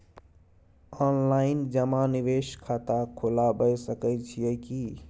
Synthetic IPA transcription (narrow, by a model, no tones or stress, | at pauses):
ɔnlaɪnd͡ʒəmaniʋeʃkʰat̪akʰolabəjsəkəjt͡ʃʰijɛki